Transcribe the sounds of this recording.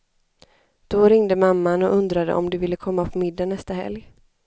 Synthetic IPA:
d̪̥ɔɾɪŋd̪əmamːanɔʔɵnd̪ɾad̪ə̰ʔɔmd̪ɪvɪlːəkʰɔmːapʰɔmɪd̪ːanɛst̪ahɛ̰lj

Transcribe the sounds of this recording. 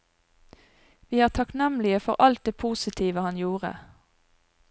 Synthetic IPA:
ʋiːæːʁt̪ʰɑknɛmlɪəfɔʁʔɑlt̪̚d̪eːpʰuːsɪt̪ʰiːʋəhɑnjuːʁə̰

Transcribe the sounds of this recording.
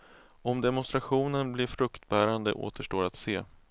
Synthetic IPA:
ɔmd̪ɛmʊnst̪ɾaɧuːnənblɪɾfɾɵkt̪bæːɾand̪ə̰ʔo̰ːt̪ʰəʂʈoːɾat̪seː

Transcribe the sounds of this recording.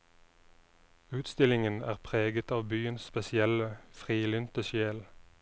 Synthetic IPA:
ʉːt̪st̪ɪlɪŋənæ̰ːʁpʰʁeːɡət̪ɑːʋbyːənsspɛsɪɛləfʁiːlʏnt̪əʃjeːl

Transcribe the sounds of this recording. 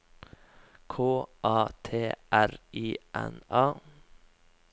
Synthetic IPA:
kʰoːʔɑːt̪ʰeːʔæɾʔiːʔɛ̰nɑː

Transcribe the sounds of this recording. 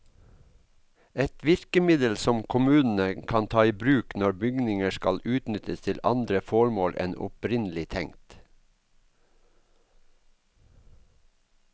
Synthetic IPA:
ɛt̪ʋɪɾkəmɪd̪əlsɔmkʰʊmʉːnn̩əkʰɑnt̪ʰɑːiːbɾʉːknɔɹbʏɡnɪŋəskɑlʉːt̪nʏt̪əst̪ʰɪlɑ̰nd̪ɾəfɔɹmoːlʔɛ̰nɔ̰pɾɪnlɪt̪ʰɛŋt̪

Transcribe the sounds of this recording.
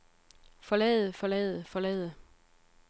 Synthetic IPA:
fɒ̽lɛ̰ːɪð̩ˠfɒ̽lɛ̰ð̩ˠfɒ̽lɛ̰ːð̩ˠə

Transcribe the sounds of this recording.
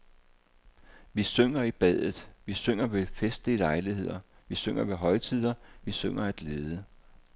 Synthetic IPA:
ʋisøŋ̰ɐib̥ɛð̰ˠð̩ˠʋisøŋ̰ɐʋe̝fesd̥ilɑ̈ɪlihe̝ð̞̰ˠɐ | ʋisøŋ̰ɐʋe̝ɦɒ̽ɪt͡sʰið̰ˠɐʋisøŋ̰ɐæd̥le̝ːðˠə

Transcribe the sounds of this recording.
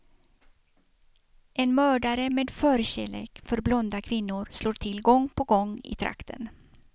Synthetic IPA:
ʔɛnmœːɖaɾəmeːd̪fœːɾɕeːlḛːkfœɾblɔnd̪akʰvɪnːʊɾsloːʈʰɪlɡɔŋpʰɔɡɔŋːɪ̰t̪ʰɾa̰kt̪ʰə̰n

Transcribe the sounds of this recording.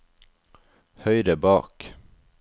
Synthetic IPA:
hœʏd̪əbɑːk

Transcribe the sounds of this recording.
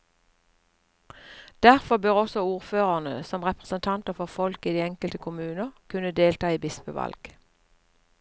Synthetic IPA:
d̪̥æʁfɔbøːʁɔsɔuːʁføːʁənə̰sɔmʁɛpʁəsənt̪ʰɑnt̪əʁfɔʁfɔlkiːd̪iːɛŋkəlt̪əkʰʊmʉːnəʁkʰʉnəd̪eːlt̪ɑːiːbɪspəʋɑ̰lɡ̥

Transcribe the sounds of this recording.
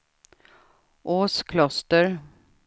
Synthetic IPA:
ʔoːskʰlɔst̪əɾ

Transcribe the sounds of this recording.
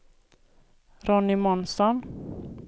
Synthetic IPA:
ɾɔnːɪmɔnsɔn

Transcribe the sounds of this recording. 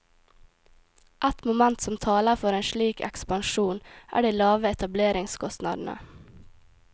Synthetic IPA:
ʔæt̪mʊmænt̪sɔmt̪ʰɑːləɾfɔɾeːnʃɭiːkɛ̰kspɑnʃuːnʔæ̰ːɖiːlɑːʋəɛt̪ɑbleːɾɪŋskʰɔst̪nɑ̰ːd̪n̩ʔə̰

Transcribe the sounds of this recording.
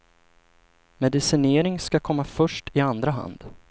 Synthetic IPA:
mɛd̪ɪsɪneːɾɪŋskakʰɔmːafœʂʈɪand̪ɾaɦa̰nd̪̥

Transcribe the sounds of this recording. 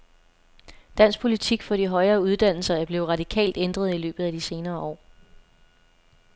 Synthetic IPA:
d̥æn̰sɡ̥̚pʰo̝lit͡sʰiɡ̥fɒ̽d̥iɦɒ̽ɪɐːuð̞ˠd̥æn̰l̩sɐæɐb̥le̝ːʊʁɑ̈d̥ikʰɛ̰ːld̥end̥ʁɐð̞̩ˠilø̰ːb̥ð̩ˠæd̥ise̝ːnɐːɒ̰ː

